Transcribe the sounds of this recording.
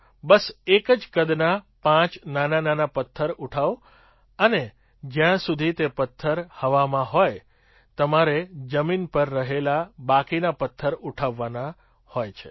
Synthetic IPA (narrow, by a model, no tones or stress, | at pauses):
bəsekəd͡ʒkəd̪napãt͡ʃnanananapət̪ʰːəɾuʈʰaʋ | əne | d͡ʒjãsud̪ʱit̪epət̪ʰːəɾhəʋamãɦoj | t̪əmaɾed͡ʒəminpəɾːəɦelabakinapət̪ʰːəɾuʈʰaʋːana | hojt͡ʃʰḛ